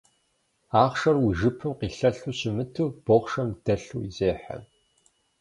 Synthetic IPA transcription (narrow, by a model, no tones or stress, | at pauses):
aːχʂɐrwiʒɨpʰɨmqiːɬɐɬuːɕɪmɨtʰuːb̥oʁʷʃɐmd̥ɐɬuːizeːħa̰m